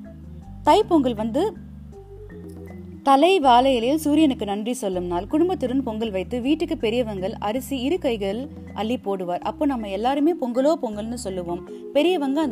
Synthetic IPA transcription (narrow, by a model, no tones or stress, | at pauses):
t̪ɐɪpɔŋɡɐɭʋɐnd̪ɯ | t̪ɐlɐɪʋaːlɐjɐlɐjɪlsuːɾɪjɐnɯkːɯnɐndrisɔlːɯmnaːlkʊɽʊmbɐt̪ːɯɾɯnpɔŋɡɐɭʋɐɪt̪ːɯʋiːʈːɯkːɯpɛɾɪjɐʋɐŋɡɐɭʔɐɾɯsiɪɾɯkɐɪɣɐɭ | ʔɐɭːipoːɽɯʋaːɾʔɐ̰pːoːnɐmːɐɛlːaːɾɯmeːpɔŋɡɐloːpɔŋɡɐɭnɯsɔlːɯʋoːm | pɛɾɪjɐʋɐŋɡɐɐ